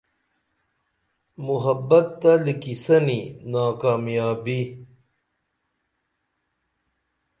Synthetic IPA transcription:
muɦɐbɐt̪ːalikisɐninaːkaːmjaːbi

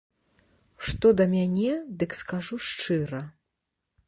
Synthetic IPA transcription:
ʂt̪ɔd̪ɐmʲanʲɛd̪ɨkskaʐuʂt͡ʂɨɾɐ

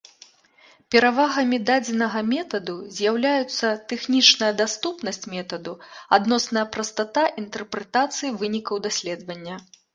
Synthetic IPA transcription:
pʲɛɾavaɣɐmʲid̪ad͡zʲɛnɐɣɐmʲɛt̪ɐd̪uzʲjawlʲajut̪sːɐt̪ɛxnʲit͡ʂnɐjɐd̪ast̪upn̪ɐsʲt͡sʲmʲɛt̪ɐd̪uad̪nɔsnɐjɐpɾɐst̪at̪aʔint̪ɛrpɾɛt̪at̪sɨjivɨnʲikɐwd̪asʲlʲɛd̪vɐnʲːɐ

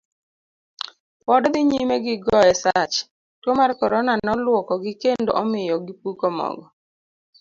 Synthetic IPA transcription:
pɔdd̪ɪɲimeɡɪɡɔɛsat͡ʃ | twomarkɔɾɔnanɔlwɔkɔɡɪkendoʔɔmɪjɔɡip̚ukomɔ̰ɡɔ

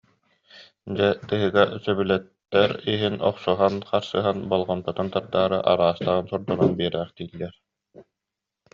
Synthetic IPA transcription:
d͡ʑɛt̪ɯɦɯɡasœbylɛt̪ːɛɾiɦinʔɔ̰qsɔɦanχaɾsɯɦanbɔlˠʁɔnp̪ɯt̪ant̪aɾd̪aːɾɯ̰ʔa̰ɾaːst̪aʁɯnsɔɾd̪ɔnanbiɛɾɛːχt̪iːlːɛɾ

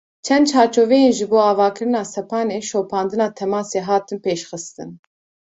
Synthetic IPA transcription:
t͡ʃʰɛnd̪t͡ʃʰɑːɾt͡ʃʰoːvɛjeːnʒɨboːɑːvɑːkʰɨɾɨnɑːsɛpʰɑːneːʃoːpʰɑːnd̪ɨnɑːt̪ʰɛmɑːseːɦɑːt̪ʰɨnpʰeːʃxɨst̪ɨn

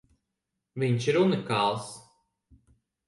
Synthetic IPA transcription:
viɲʃiɾunikaːlˠs

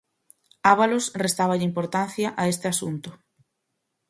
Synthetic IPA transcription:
aβalosrest̪aβaʎɪimpoɾt̪an̟θjaʔaest̪ɪasunt̪ʊ

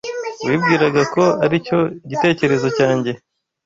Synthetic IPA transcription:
wiːb̚ɡiːɾaɡako̞aɾico̞iɟite̞ːce̞ɾe̞zo̞caːɲɟe̞

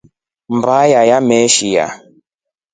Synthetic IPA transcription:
m̩bajajamɛʃija̰

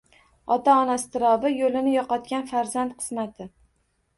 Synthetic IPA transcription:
ɒt̪ʰaɒnast̪ʰɪɾɒbɪjolɪnɪjɒqɒt̪̚kʲanfaɾzant̪qʰɨ̥smat̪ʰɪ

